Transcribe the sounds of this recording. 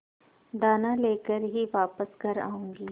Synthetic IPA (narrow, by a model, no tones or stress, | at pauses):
d̪aːnãleːkəɾɦiʋaːpəsɡʱɐɾa̰ːũːŋɡiː